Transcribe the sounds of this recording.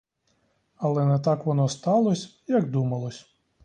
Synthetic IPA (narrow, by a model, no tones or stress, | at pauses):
ɐlˠɛnɛt̪ɑkʋɔnɔst̪ɑlˠɔsʲ | jɐɡd̪umɐlˠɔsʲ